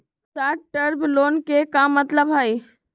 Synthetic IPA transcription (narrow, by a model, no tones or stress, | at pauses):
saːʈʈəɾbloːnkekamət̪ləbɦai